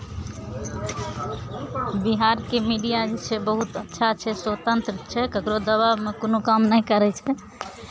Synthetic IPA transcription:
biɦaɾkemiɖijad͡ʒt͡ʃʰɛbəɦut̪ətːʃʰat͡ʃʰɛsət̪ənt̪ɾət͡ʃʰɛkəkɾod̪əβabmekonokamnəĩkəɾɛt͡ʃʰɛ

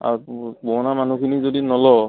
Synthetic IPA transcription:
a̰bɔnamanukʰinizodinɔlɔ

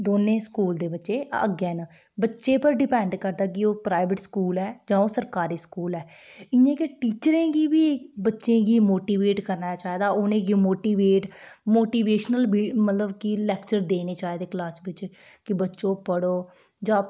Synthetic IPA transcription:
d̪oːnẽːskuːld̪eːbətːʃeːə̰ɡeːn | bətːʃeːpəɾɖɪpɛ̃ːɳɖkəɾd̪aːkɪoːpɾaːɪʋəʈskuːlɛːd͡ʒãːoːsəɾkaːɾiːskuːlɛː | ɪjãːkeʈiːt͡ʃɾẽːɡiːbiːbətːʃẽːɡiːmoːʈiːʋeːʈkəɾnat͡ʃaːɦeːd̪aːoːnẽːɡmoːʈiːʋeːʈmoːʈiːʋeːʃnəlbiːmət̪ləbkɪlɛːkt͡ʃəɾd̪eːneːt͡ʃaːed̪eːklaːsbɪt͡ʃ | kɪbətːʃõːpəɽoː | d͡ʒãː

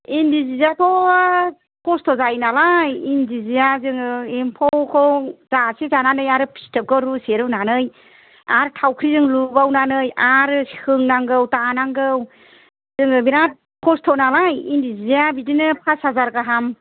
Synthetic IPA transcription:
indizizatʰɔ | kʰɔstʰɔzajnalajindizijazɯŋɯempʰɔwkʰɔzasezananɯjaɾɯpʰi̥stɯp̚ɡɔɾuseɾɯwnanɯj | aɾtʰawkʰɾizɯŋlubawnanɯjaɾɯsi̥kʰɯŋnaŋɡɯwtanaŋɡɯw | z̥ɯŋɯbiɾa | kʰɔstʰɔnalajindizizijabidinɯpʰasazaɾɡaɦam

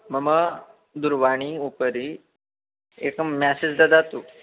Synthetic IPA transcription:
məmə | d̪uɾʋaɽ̃iupəɾi | ekamɛsed͡zd̪ad͡z̪at̪uː

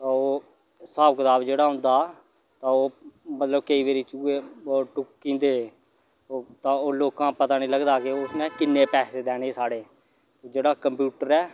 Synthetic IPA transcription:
t̪ãːoː | saːbəkd̪aːbd͡ʒeːɽaːɦʊ̃nd̪aː | t̪ãːoːmət̪ləb̚kəiːʋeːɾiːt͡ʃuːeːoːʈʊkkĩːnd̪eː | t̪ãːoːloːkãːpət̪aːnĩːləɡd̪aːkeʊsmɛ̃ːkɪnːeːpɛːseːd̪ɛːneːsaːɽeː | t̪eːd͡ʒeːɽaːkəmpjuːʈəɾɛː

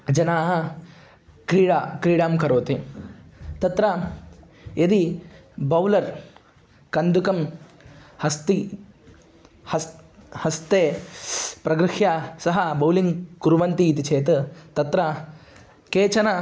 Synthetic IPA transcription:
d͡ʒɐnaːɦɐ | kɾiːɽakɾiːɽaːmkɐɾoːt̪i | t̪ɐt̪ɾɐ | jed̪i | bɐwlɐɾ | kɐnd̪ukɐm | hɐst̪i | hɐshɐst̪eː | pɾɐɡɾɨhjasɐɦɐbɐwliŋɡkuɾʋɐnt̪iːt̪it͡ʃʰeːt̪ɐt̪ɐt̪ɾɐ | keːt͡ʃɐnɐ

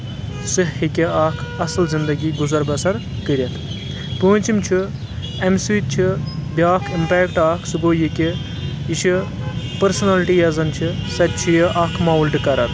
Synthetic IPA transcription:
sɨɦhikʲeaːkʰɐslzind̪ɐɡiːɡuzɐɾbɐsɐɾ | kəɾʲɐt̪ʰ | pəːnʲt͡ʃimt͡ʃʰi | ɐmsiːt̪̚t͡ʃʰibʲaːkʰimpeːkʈaːkʰsɨɡoːjikʲi | it͡ʃʰi | pɐɾsɐnɐlʈijɐzɐnt͡ʃʰisɐt̪̚t͡ʃʰijiʔaːkʰmɐːulɖɨkɐɾɐt̪ʰ

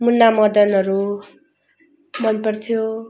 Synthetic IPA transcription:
munːamʌd̪ʌnʌɾu | mʌnpʌrt̪ʰijo

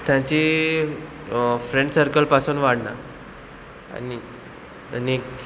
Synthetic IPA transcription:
t̪jãt͡ɕi | fɾeɳʈsəɾkəlpasuːnʋaɽna̰ | a̰ni | ani

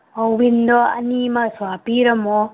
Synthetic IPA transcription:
ɔwbind̪ɔɐ̰nimɐswapiɾɐmɔ

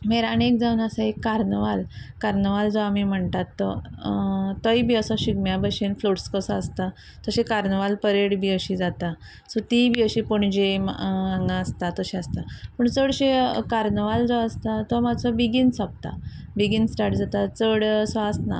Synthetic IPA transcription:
meɾanek̚d͡zaunasaekːaɾnəʋalkaɾnəʋald͡zɔamim̤əɳt̪at̪ːɔ | t̪əibiəsɔɕiɡmjabəɕenfloʈskəsɔəst̪a | t̪ɔɕekaɾnəʋalpəɾeɽbiəɕid͡zat̪a | sɔt̪ibʱiəɕipoɳd͡ʑemaŋɡãəst̪at̪əɕẽast̪apəɳt͡səɽɕekaɾnəʋald͡zɔəst̪at̪ɔmat͡sɔbiɡinsap̚t̪a̰ | biɡinsʈaʈd͡zat̪at͡səɽsaəsna̰

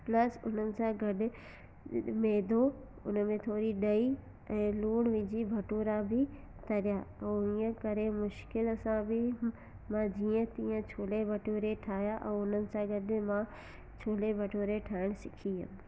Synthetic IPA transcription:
plɐsʊn̤ənɪ̆sãɡɐɗɪ̆ | meːd̪ʱo | ʊ̰nəmẽt̪ʰoːɾiɗɐi | ɛ̃ːluːɽ̃ʋɪ̃ːd͡ʑibʱɐʈoːɾabʱɪ | t̪ʰɐɾijaːɛ̃ːʊniə̃kɐɾemʊʃkɪlsãbɪ | mãd͡ʑiːə̃t̪ĩːə̃t͡ɕʰoːlebʱɐʈoːɾeʈʰaːjaʔɛ̃ːʊnənɪ̆sãɡɐɗɪmã | t͡ɕʰoːlebʱɐʈoːɾeʈʰaːɪɽ̃sɪkʰiɦə̰n

